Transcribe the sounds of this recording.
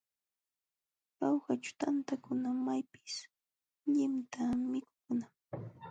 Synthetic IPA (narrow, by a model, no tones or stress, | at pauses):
ɾawɢat͡ʃʊ̥t̪ant̪akʊnamajpɪ̥s | ʎɪmt̪ʰamɪkʊ̥kʊna